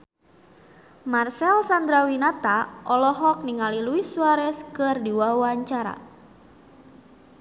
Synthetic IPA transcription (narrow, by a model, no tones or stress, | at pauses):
marsɛlsand̪ɾawinat̪aʔɔlɔɦɔk̚niŋaliluisuaɾɛskɨrdiwawaɲt͡ʃaɾa̰